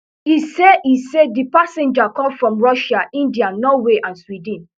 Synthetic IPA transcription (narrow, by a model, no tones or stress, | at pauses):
hisedisedipasɛ̃nd͡ʒakɔ̃mfɹɔ̃mɹɔʃaʔĩndianɔweʔãnswidĩn